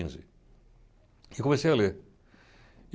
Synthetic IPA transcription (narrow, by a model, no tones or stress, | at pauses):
ĩzɪ̰ | ikõmesejɐleɾ